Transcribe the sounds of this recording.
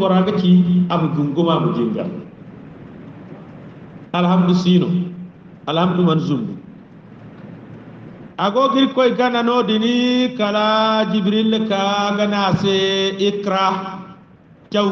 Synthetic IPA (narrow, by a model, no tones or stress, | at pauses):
ɔɾaɡat͡ʃiabuɡuŋɡumamud͡ʒiŋɡa̰l | alhamdusino̰ | alhamdumanzumu | aɡoɡiɾkojɡananodinikalad͡ʒibɾilːekaɡanaseikɾa | t͡ʃa